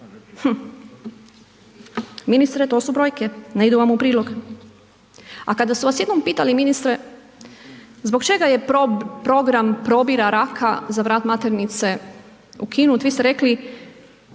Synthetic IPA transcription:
h̩ | minist̪ɾet̪o̞ːsubɾo̞ːjke̞neid̪uʋamupɾiːlo̞ɡ | a̰kad̪asuʋasjed̪nompiːt̪aliminist̪ɾe | zbo̞kt͡ʃe̞ɡaje̞pɾo̞ɡɾampɾo̞biɾaɾakʰazaʋɾaːt̪mat̪e̞ɾnit̪se̞ | ukʰinut̪ʋist̪eɾe̞kli

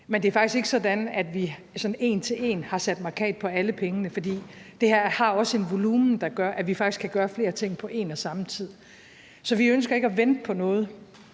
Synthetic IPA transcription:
mend̥e̝æɐfɑ̈ɡ̥isɡ̥eɡ̥sɒ̽d̥ænæd̥ʋi | sɒ̽ne̝̰ːnt͡sʰe̝le̝̰ːnhɑ̈sæd̥mɑ̈kʰɛ̰ːd̥̚pʰɒ̽æləpʰeŋənəfɒ̽d̥ḭːd̥e̝hæɐ̰hɑ̈ɒ̽səe̝nʋo̝luːmn̩d̥ɑ̈ɡ̥ɶɐʔæʋifɑ̈ɡ̥iskʰæɡ̥ɶːɐfle̝ːɐt͡sʰe̝ŋ̰pʰɒ̽ʔe̝̰ːnɒsɑ̈mət͡sʰið̞̰ˠ | sɒ̽ʋiønsɡ̥ɐe̝ɡ̥əæʋend̥əpʰɒ̽nɔ̽ːð̞̩ˠ

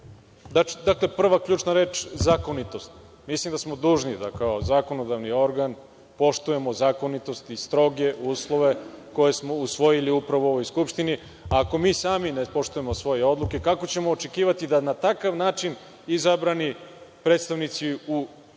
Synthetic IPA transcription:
d̪ad̪akle̞pr̩ʋakʎʲuːt͡ʃnaɾe̞ːt͡ʃzako̞nit̪o̞st̪ | mislˠimd̪asmo̞d̪uːʒnid̪a̰kaozako̞no̞d̪aʋnio̞ɾɡan | po̞ʃt̪uje̞mozako̞nit̪o̞st̪ist̪ɾo̞ɡe̞ʔuːslˠo̞ʋe̞ko̞je̞smo̞usʋo̞jiliupɾaʋo̞o̞ʋo̞jskupʃt̪ini | aːko̞miːsaːminepo̞ʃt̪ujemosʋo̞jeo̞d̪lˠuke̞kako̞t͡ɕe̞mo̞ːt͡ʃe̞kiːʋat̪id̪anat̪akaʋnaːt͡ʃin | izabɾanipɾet̪st̪aʋnit̪siu

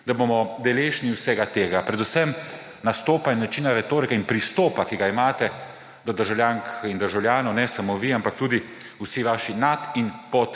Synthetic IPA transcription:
d̪abomɔd̪ɛleːʃniwsɛɡat̪eːɡapɾɛd̪usɛm | nast̪oːpainnat͡ʃiːnaɾɛt̪oːɾikɛinpɾist̪oːpakiɡaimaːt̪ɛ | d̪ɔd̪əɾʒawlʲjaŋkind̪əɾʒawljaːnɔwnɛsamoʋiampak̚t̪uːd̪i | usiʋaʃinat̪inpɔt̪

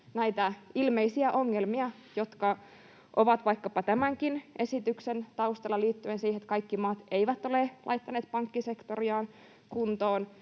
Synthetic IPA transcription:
næit̪æilmeisiæʔoŋːelmiɑ | jo̞t̪kɑ | ʔoʋɑt̪ʋɑikːɑpɑt̪æmæŋkinʔe̞sit̪yksent̪ɑust̪elːɑliːt̪ːyensiːhet̪kɑikːimɑːt̪eiʋæt̪ːo̞lelʔɑ̰it̪ːɑneːt̪pɑŋkːisekt̪oriɑːn | kunt̪oːn

